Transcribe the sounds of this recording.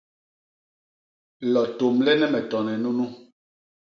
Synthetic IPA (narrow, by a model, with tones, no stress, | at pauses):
lɔ˨to˨mlɛ˦nɛ˦mɛ˨tɔ˨nɛ˨nu˦nu˦